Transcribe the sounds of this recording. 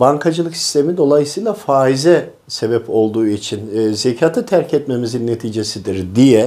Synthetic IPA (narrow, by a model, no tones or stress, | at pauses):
baŋkʰad͡ʒɯlˠɯksi̥st̪ʰe̞mid̪o̞lˠajɯsɯjlˠafaːizɛ | se̞bɛpʰo̞lˠd̪uːit͡ʃʰinːzecʰaːt̪ʰɯt̪ʰæɾcʰɛt̪me̞mizinːet̪ʰiːd͡ʒe̞sid̪iɾd̪ijɛ